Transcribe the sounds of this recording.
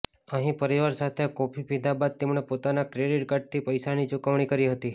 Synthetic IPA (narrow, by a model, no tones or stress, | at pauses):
əɦĩpəɾiʋaɾsat̪ʰeakɔpʰipid̪ʱabad̪̚t̪emɳepot̪anakɾeɖiʈkəɖ̚t̪ʰipəjsanit͡ʃukəʋɳ̃ikəɾiɦət̪i